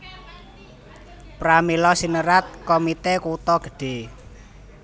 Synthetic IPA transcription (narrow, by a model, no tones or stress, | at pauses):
pɾamilɔsinəɾat̪̚komit̪ekut̪ɔɡ̥ə̤̥ɖ̥e̤